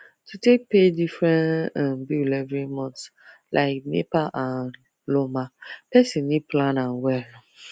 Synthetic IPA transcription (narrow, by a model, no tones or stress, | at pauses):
tʰutʰek̚pʰedifɹɛ̃nãmbulɛvɾimɔ̃ntlʔa̰ɪk̚mḛpaʔãn | lomãpɛsĩnːĩplãnãnwɛl